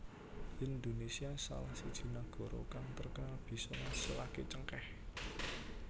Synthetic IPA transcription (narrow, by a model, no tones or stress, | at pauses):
ʔind̪onesiasa̰lahsid̥ʒ̥i̤naɡ̥ɔ̤ɾo̰kaŋt̪ərkalb̥i̤sɔŋasəlaket͡ʃəŋkɛh